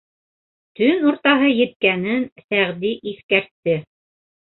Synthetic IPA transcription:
t̪ɵnuɾt̪ɑɦɤjɘ̆t̪̚kænɘnθæʁd̪iʔiθkæɾt̪ːɘ

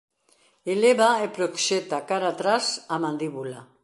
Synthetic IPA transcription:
eleβaepɾokʃet̪akaɾat̪ɾasamand̪iβula

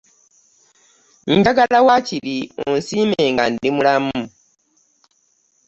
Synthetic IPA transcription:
ndaɡalawaciliunsimeːŋɡandimulamu

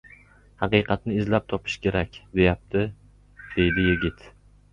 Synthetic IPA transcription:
hɑqɨjqʰɑt̪nɪɪzlap̚t̪ʰɒpʰɪ̥ʃkʲʰe̞ɾakʲd̪e̞jap̚t̪ʰɪ | d̪̥e̞jd̪ɪjɪɡʲɪt̪

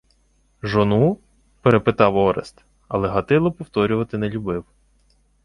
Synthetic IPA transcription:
ʒɔnu | peɾepɪt̪ɑwɔɾest̪ | ɐ̰lˠɛɦɐt̪ɪlˠɔpɔwt̪ɔɾʲʊʋɐt̪ɪnɛlʲʊbɪw

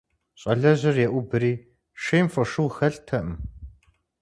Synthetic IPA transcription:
ɕʼɐɮɐʑɪrjɛʔʷʊbɨɾiː | ʂeːmfɔʂɨwxɐɬtʰɐʔm

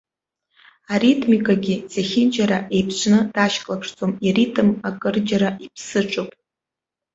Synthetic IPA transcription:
aritʰmikʼaɡʲizeχʲɪnd͡ʒʼaɾaʔe̞jpʰʃʷʰnɨd̥aʃkʼlapʰʂt͡sʼomiritʼɨmakʼɨrd͡ʒaɾaipʰsɨʈ͡ʂʼɨpʼ

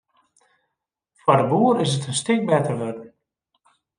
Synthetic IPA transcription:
fɔdəbuəɾɪsətənstɪk̚bɛtərʋødən̩

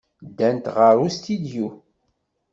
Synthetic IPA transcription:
d̪ːænt̪ʁəɾust̪id̪ju

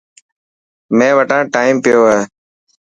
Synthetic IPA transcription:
mẽːʋəʈãːʈaːimpɪjoːeː

